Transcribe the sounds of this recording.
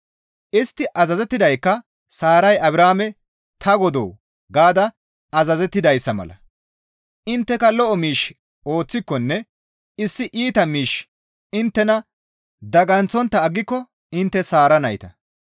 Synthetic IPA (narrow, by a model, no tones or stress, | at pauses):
ʔɪst̪ːɪʔɐzɐzɛt̪ːɪd̪ɐjkːɐ | saːɾɐjɐbɾaːmɛ | t̪ʰɐɡɔd̪o̰ː | ɡaːd̪ɐ | ɐzɐzɛt̪ːɪd̪ɐjsːɐmɐ̰lɐ̰ | ɪnt̪ːɛkɐlɔʔɔmiːʃ | o̞ːt͡sːɪkːɔnːɛ | ɪsːɪʔiːt̪ɐmiːʃ | ɪnt̪ːɛnɐ | d̪ɐɡɐnt͡sɔnt̪ːɐːɡːɪkːɔ | ɪnt̪ːɛsaːɾɐnɐjt̪ɐ